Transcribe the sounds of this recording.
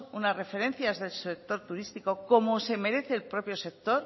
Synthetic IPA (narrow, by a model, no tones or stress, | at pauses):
unasre̞fe̞ɾẽ̞nθjazðe̞lsek̚t̪o̞ɾt̪uɾist̪iko̞ko̞mo̞se̞me̞ɾe̞θe̞ːlpɾo̞pjo̞se̞k̚t̪o̞ɾ